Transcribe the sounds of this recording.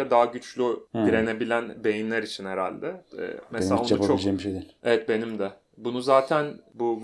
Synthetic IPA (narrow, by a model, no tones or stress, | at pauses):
ɛd̪aɦaɟyt͡ʃlʲyd̪iɾe̞ne̞bilʲænbe̞jinlʲæɾit͡ʃʰinheɾa̰lʲd̪ɛ̰messelʲaonaupt͡ʃʰolʲed͡ʒekmiʃejd̪iːlʲevɛt̪̚be̞nimd̪ɛ | bunuzaːt̪ʰænbu